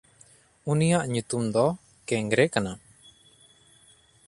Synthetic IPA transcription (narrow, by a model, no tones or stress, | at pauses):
unijaʔɲut̪umd̪ɔ | kɛŋɡɾɛkana